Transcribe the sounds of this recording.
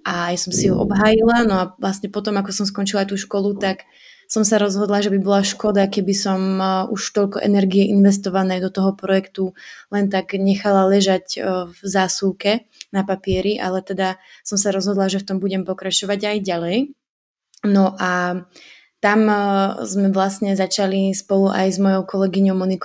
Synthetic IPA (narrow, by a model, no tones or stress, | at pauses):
ʔaːjsɔmsiɦɔ̰ʔɔ̰bɦaːjilanɔaʋlasɲɛpɔt̪ɔmakɔsɔmskɔnt͡ʃilat̪uːʃkɔlut̪ak | sɔmsaɾɔzɦɔd̪laʒɛbibɔlaʃkɔd̪akɛbisɔmuʃt̪ɔʎkɔʔɛnɛɾɡiɛʔinʋɛst̪ɔʋanɛjd̪ɔt̪ɔɦɔpɾɔjɛkt̪ulɛnt̪aɡɲɛxalalɛʒaɟvzaːsuʊkɛ | napapɪɛɾiʔa̰lɛt̪ɛd̪asɔmsaɾɔzɦɔd̪laʒɛft̪ɔmbuɟɛmpɔkɾat͡ʃɔʋaɟajɟalɛj | nɔʔa | t̪amzmɛʋlasɲɛzat͡ʃalispɔluʔa̰jzmɔjɔʊkɔlɛɡiɲɔʊmɔnik